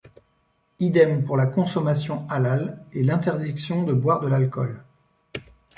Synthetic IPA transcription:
id̪ɛmpuʁlakɔ̃sɔmasjɔ̃alalɛlɛ̃t̪ɛʁd̪iksjɔ̃d̪əbwaʁd̪əlalkɔ̰l

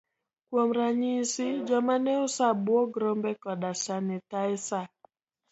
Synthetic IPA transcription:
kwomɾaɲisid͡ʒɔmanɛʊsabwoɡɾɔmbɛkɔɗasanɪtaɪsa

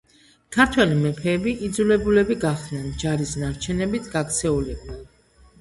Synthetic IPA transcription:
kʰaɾt̪ʰwɛlimɛpʰɛːbiʔid̪zulɛbulɛbiɡaχd̪nɛnd͡ʒaɾisnaɾt͡ʃʰɛnɛbit̪ʰɡakt̪sʰɛulɛb̚d̪a

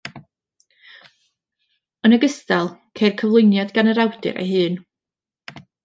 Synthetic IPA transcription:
ənəɡəstalˠkʰeːrkʰəvlˠʊjnjadɡanəɾawdɨ̰ɾḛjɦɨːn

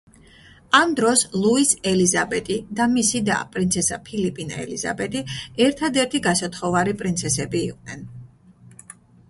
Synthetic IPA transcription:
amd̪ɾɔslˠuisɛlizabɛt̪ʼid̪amisid̪a̰pʼɾint̪sʰɛsa̰pʰilipʼina̰ɛ̰liza̰bɛt̪ʼiɛɾt̪ʰad̪ɛɾt̪ʰiɡasat̪ʰχɔvaɾipʼɾint̪sʰɛsɛbiːqʼnɛ̰n

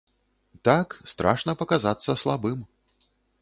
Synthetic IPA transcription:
t̪akst̪ɾʔaʂnɐpɐkazat̪sːɐslˠabɨm

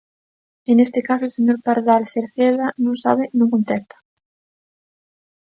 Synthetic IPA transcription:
enest̪ekasoelseɲoɾpaɾðalθeɾθeðanõŋsa̰βɪnõŋkont̪ɛst̪ɐ̥

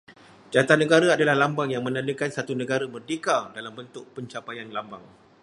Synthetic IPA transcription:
d͡ʒat̪anːə̃ɡaɾaadalahlambaŋjaŋmə̃nãndəkansat̪unə̃ɡaɾabərdikadalambənt̪ʊʔ̚pəɲt͡ʃapajanlambaŋ

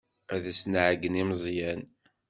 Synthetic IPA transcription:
æðæsnʕəɡənimzˤjæn

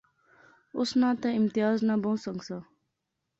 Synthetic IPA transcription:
ʊsnãːt̪ɐɪmt̪ɪjaːznabõw̃səŋɡsa

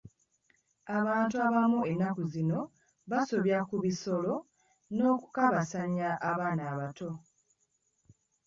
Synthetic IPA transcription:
aβaːntuaβamue̞nːakuzino̞ | βaso̞βjakuβiso̞lo̞ | no̞ːku̥kaβasaɲːaʔːβaːnaːβato̞

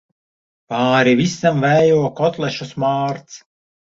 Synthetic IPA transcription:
paːɾivisamvɛjuɔkɔt̪lˠɛʃusmaːɾt̪s

